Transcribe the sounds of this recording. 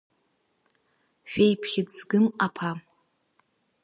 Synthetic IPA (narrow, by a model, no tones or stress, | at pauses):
ʃᶣejpʰχʲɪd͡zɡɨmapʰa